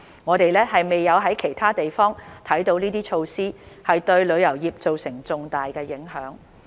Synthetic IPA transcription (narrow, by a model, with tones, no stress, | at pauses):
ŋɔː˨˧t̪e˨jlɛː˥ɦɐ˨jme˨jːɐ˨˧wɦɐ˨˥jkʰe˨˩jt̪ʰaː˥t̪e˨jfɔː˥ŋt̪ʰɐ˨˥jt̪o˨˧wniː˥t̪iː˥t͡ʃʰo˧wsiː˥hɐ˨jt̪ɵ˧ɥlɵ˨˧ɥjɐ˨˩wjiː˨p̚t͡so˨wsɪ˨˩ŋt͡sʊ˨ŋt̪aː˨jkɛː˧jɪ˨˥ŋɦœː˨˥ŋ